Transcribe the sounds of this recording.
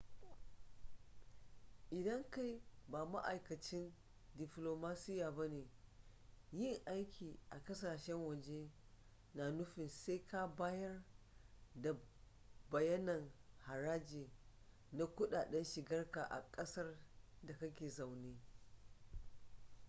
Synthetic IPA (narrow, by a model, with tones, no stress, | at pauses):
ʔɪ˨dɐ˦ŋka˦jbaː˨ma̰˦ʔa˨jkɐ˨t͡ʃɪ˦n | dɪ˨ɸloː˨maː˦sɪ˦jaː˨bɐ˦neː˨ | jɪ˦ŋʔa˦jkʲʰiː˨ʔa˨kɐ˦saː˨ʃɛ˦ŋwɐ˨d͡ʒeː˦ | naː˨nʊ˦ɸɪ˨nse˦jka˦baː˦jɐ˦r | da˨ | bɐ˨jɐ˦nɐ˨ŋha˨ɾaː˦d͡ʒeː˨ | na˦kʷʊ˦ɗaː˨ɗɛ˦nʃɪ˨ɡɐ˦rka˨ʔa̰˨kʼɐ˦sɐ˦r | da˨kɐ˦kʲeː˨za˨wneː˦